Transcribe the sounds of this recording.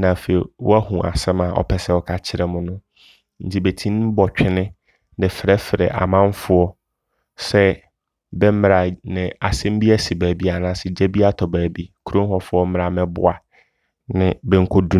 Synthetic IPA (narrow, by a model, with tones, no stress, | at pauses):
nã˨fe˨i˨wɔ̰˦æ˦hũ˨ʔa̰˨sɛ̃˦ma˨ʔɔ̰˨pʰɛ˨sɛ˦ɔ˦kʰa˦t͡ɕʰɪ˦ɾɛ˨mʊ̃˨nʊ̃˦ | n̩˨tʰi˦be˨tʰĩ˦n˦bɔ˨t͡ɕᶣɪ˦nɪ̃˦ | nɛ˨fɪ˨ɾɛ˦fɪ˨ɾɛ̰˨ʔa̰˨mã˦ɱ˦fʊ˦ɔ˦ | sɛ˦ | bɛ˦m˦ɾa˨nɪ̃˨a˨sɛ̃˦m˦bi˦æ˦si˨bæː˨bi˦a˨nãː˦sɪ˨d͡ʑɛ˦bi˦a˦tʰɔ˨bæː˨bi˦kʰu˦ɾõ˦hɔ˦fʊ˦ɔ˦m̩˦m˦ɾa˨mɛ̃˦bʊ̰˦a˨ | nɪ̃˨bɛ˨ŋ̩˦kʰo˦du˦